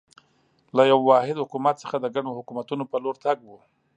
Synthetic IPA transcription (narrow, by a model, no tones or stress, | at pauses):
lajawːɑhɪd̪hʊkumat̪̚sə̥xad̪əɡaɳohʊkumat̪unopəloɾt̪aɡwu